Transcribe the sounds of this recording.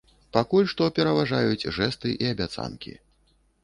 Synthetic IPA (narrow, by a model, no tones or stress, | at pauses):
pakulʲʂt̪ɔpʲɛɾɐvaʐajut͡sʲʐɛst̪ɨʔiɐbʲat̪sa̰nkʲḭ